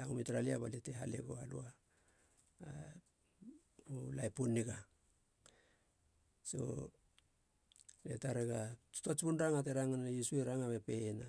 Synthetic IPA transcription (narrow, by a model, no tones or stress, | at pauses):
aŋumitɾaliabaliteɦaleɡoalṵa | ulajpunːiɡa | so̞̰ | letaɾeɡatu̥tat͡ʃpunɾaŋateɾaŋanjisueɾaŋamepe̞na